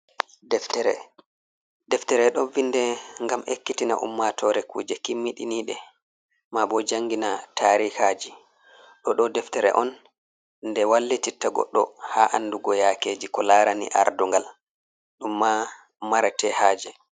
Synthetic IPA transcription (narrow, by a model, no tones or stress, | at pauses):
dɛftɛɾɛ̰ | dɛftɛɾɛɗɔvindɛŋɡamḛkːitina̰ʔṵmːatʰɔɾɛkṵːd͡ʒɛkimːiɗḭniɗɛ | mabɔd͡ʒaŋɡinatʰaɾikad͡ʒi | ɗɔɗɔdɛftɛɾɛ̰ʔɔn | ndɛwalːititːaɡɔ̰ɗːɔ̰haʔanːduɡɔjakeːd͡ʒikɔlaɾanḭʔa̰ɾduŋɡal | ɗumːa | maɾatɛhaːd͡ʒɛ